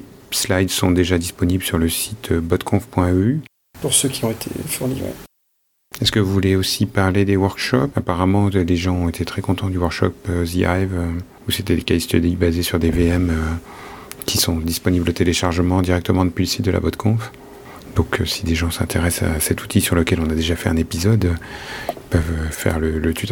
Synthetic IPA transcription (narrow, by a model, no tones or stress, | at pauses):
slajd̪sɔ̃d̪eʒad̪ispɔnibləsyʁləsit̪ʰøbɔt̪kʰɔ̃fpwɛ̃øy | puʁsøkʲʰiɔ̃et̪ʰḛfyʁlḭvʁḛ | ɛskəvuvuleosipaʁled̪ewœʁkʃɔpapaʁamɑ̃leʒɑ̃ɔ̃et̪ʰet̪χɛkɔ̃t̪ɑ̃d̪ywœʁkʃɔ̰pøzia̰jvø | uset̪ɛlekaist̪ød̪ibazesyʁd̪eveɛmø | kʲʰisɔ̃d̪ispɔniblət̪eleʃaʁʒəmɑ̃d̪iʁɛk̚t̪əmɑ̃d̪əpɥiləsi̥t̪̚d̪əla̰bɔt̪kʰɔ̃f | d̪ɔ̃kʰsid̪eʒɑ̃sɛ̰̃t̪ʰeʁɛsa̰sɛt̪ʰu̥t̪ʰisyʁləkʲɛlɔ̃nad̪eʒafɛɛ̃nepizɔd̪ | ilpœvøfɛ̰ʁlələt̪yt̪